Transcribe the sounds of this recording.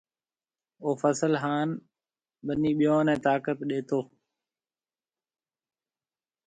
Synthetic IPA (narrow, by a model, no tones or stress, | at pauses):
oːfəsəlɦaːn | ɓəniːɓɪjõːnɛ̃ːt̪aːkət̪ɗeːt̪oː